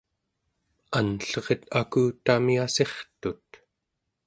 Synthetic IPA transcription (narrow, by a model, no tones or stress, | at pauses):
anɬʌʁet̪akuːt̪amiase̞χt̪ut̪